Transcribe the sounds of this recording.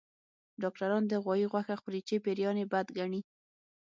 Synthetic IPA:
ɖɑk̚ʈaɾɑnd̪əɣwɑjiɣwaxaxʊɾit͡ʃepeɾjɑnebad̪ɡaɳi

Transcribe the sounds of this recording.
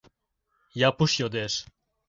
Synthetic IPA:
jɑpuʃjod̪eʃ

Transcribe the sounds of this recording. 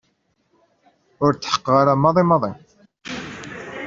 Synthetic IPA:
ʊɾt͡s̪ːħə̥qːʁaɾamːɑðˤimɑðˤi

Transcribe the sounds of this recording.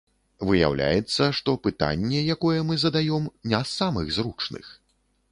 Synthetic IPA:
vɨja̰wlʲa̰jɛt̪sːɐʂt̪ɔpɨt̪a̰nʲːɛjakɔjɛmɨzɐd̪ajɔmnʲasːamɨɣzrut͡ʂnɨ̰x

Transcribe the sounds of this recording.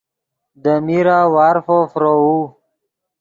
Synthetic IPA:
d̪əmiɾawaɾfofɾou

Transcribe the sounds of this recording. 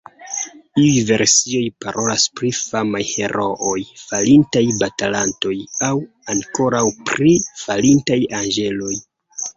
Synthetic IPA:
iujve̞ɾsio̞jpaɾo̞laspɾifamajhe̞ɾʔo̞ʔojfalintajbatalanto̞jaw | aŋko̞ɾawpɾifalintajanɡe̞lo̞j

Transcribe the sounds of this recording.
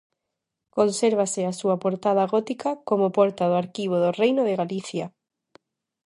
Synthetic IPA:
konseɾβ̞asɪasuapoɾt̪að̞aɣɔt̪ikakomopɔɾt̪aðoaɾkiβ̞oðorejnoðeɣaliθja

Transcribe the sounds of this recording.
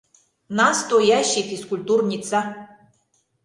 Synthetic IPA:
nast̪ɔjaɕːixiskulʲt̪urnʲit̪sa

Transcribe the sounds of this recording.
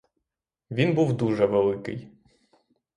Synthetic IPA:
ʋʲinbuwd̪uʒɛʋelˠɪkɪ̰j

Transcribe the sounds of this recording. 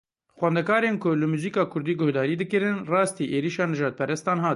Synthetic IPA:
xwɛnd̪ɛkɑːɾeːnkʊlɨmuːziːkɑːkʰʊɾd̪iːɡʊhd̪ɑːɾiːd̪ɨkɨɾɨnrɑːst̪iːʔeːɾiːʃɑːnɨʒɑːd̪̚pʰɛɾɛst̪ɑːnɦɑːt̪

